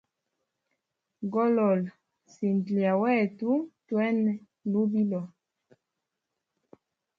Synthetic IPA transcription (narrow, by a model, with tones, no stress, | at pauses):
ɡɔ˦lɔ˨l | si˨ndli˨a˨wɛ˦˨tu˦twɛ˦n˨ | lu˦bi˦lɔ˨